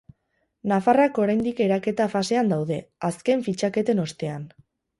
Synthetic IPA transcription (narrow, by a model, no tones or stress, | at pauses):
nafarako̞ɾajnd̪ike̞ɾake̞t̪afase̞and̪awðe̞aske̞ɱfit͡ʃake̞t̪e̞no̞st̪e̞an